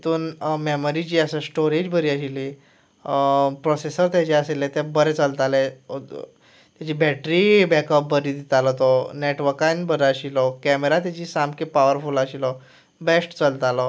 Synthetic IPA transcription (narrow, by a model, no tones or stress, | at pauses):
t̪uːnmeməɾit͡ɕiːəsə̃sʈoɾed͡ʑbəɾiːəɕili | pɾosesəɾt̪jat͡ɕɛəselɛ̃t̪ɛ̃bəɾɛt͡səlt̪alɛ | t̪jat͡ɕiːbɛʈɾibɛkəp̚bəɾiːd̪it̪alɔt̪ɔneʈʋəɾkãnbəɾəɕilɔkɛmeɾat̪jat͡ɕiːsamkipaʋəɾfulaɕilɔ | besʈt͡səlt̪alɔ